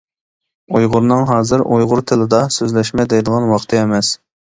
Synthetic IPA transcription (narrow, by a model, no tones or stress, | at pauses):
ojʁʊɾnɨŋɦɑːzɨɾʔojʁʊɾt̪ʰɪlɪd̪ɑsøzlɛʃmɛd̪ɛjd̪əʁɑnwɑχt̪ʰɨɛmɛs